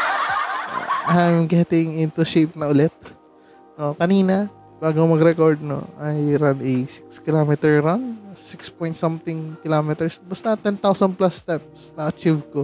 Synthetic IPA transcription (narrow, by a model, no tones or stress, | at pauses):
ʔajmɡɛt̪ɪŋɪnt̪ʊʃep̚nɐʔʊlɛt̪̚ | okɐniːnɐ | b̥aːɡomɐɡɾɛkoɹd̪̚no̰ʔɐjɾanɛjsɪ̥kskɪloːmɛt̪ɛɹɾaŋsɪkspɔjnt̪sɐmt̪ɪŋkɪlomɛt̪ɛɹsbɐst̪ɐt̪ɛnt̪awsɐnplast̪ɛp̚snɐɐt͡ʃivko